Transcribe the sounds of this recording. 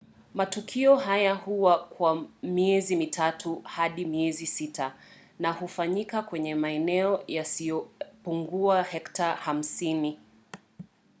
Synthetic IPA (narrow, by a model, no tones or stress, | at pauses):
matukʰiɔɦajahuwakwamiɛzimitʰatuhaɗimiɛzisitʰa | nahufaɲikakwɛɲɛmaɛnɛɔjasijɔpuŋɡuahɛktaham̩sini